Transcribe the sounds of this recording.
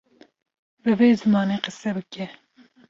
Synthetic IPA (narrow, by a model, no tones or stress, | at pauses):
bɨveːzɨmɑːneːqəsːɛbɨkɛ